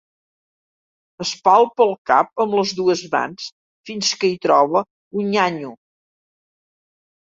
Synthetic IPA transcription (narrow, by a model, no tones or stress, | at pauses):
əspalˠpəlˠka̰p̚əmləzðuəzβa̰ns | finskəit̪ɾɔβə | uɲaɲu